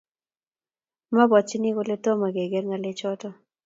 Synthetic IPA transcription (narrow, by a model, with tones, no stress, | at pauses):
ma˦bɔ˨t͡ʃi˦ni˦ko˦le˦to˦ma˨ɡe˨ɡe˦ɾŋa˨le˦t͡ʃɔ˦tɔ˦